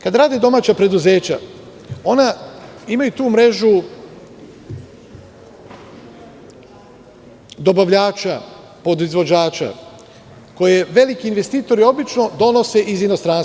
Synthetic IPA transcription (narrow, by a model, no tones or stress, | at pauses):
kad̪ɾaːd̪ed̪o̞maːt͡ɕapɾe̞d̪uze̞ːt͡ɕa̰ | o̞naimajut̪uːmɾe̞ʒu | d̪o̞baʋʎaːt͡ʃa | po̞d̪izʋo̞d͡ʑaːt͡ʃa̰ | ko̞je̞ʋe̞likiːnʋe̞st̪iːt̪o̞ɾio̞bit͡ʃno̞d̪o̞no̞se̞ʔizino̞st̪ɾans